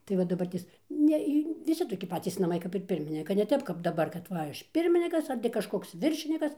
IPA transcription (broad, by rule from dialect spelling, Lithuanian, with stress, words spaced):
ˈtɐɪ ʋɐ dɐˈbɐrʲtʲeːs ˈnʲɛ iː ʋʲɪˈsʲɪ toːˈkʲɪ ˈpɑːtʲiːs nɐˈmɐɪ kɐp ɪr ˈpʲɪrʲmʲɪnʲɪkɐ nʲɛ ˈtʲɛp kɐp dɐˈbɐr kɐt ˈʋɐ ˈɐʃ ˈpʲɪrʲmʲɪnʲɪkɐs ɐr tʲɪ kɐʃˈkoːks ˈʋʲɪrʲʃʲɪnʲɪkɐs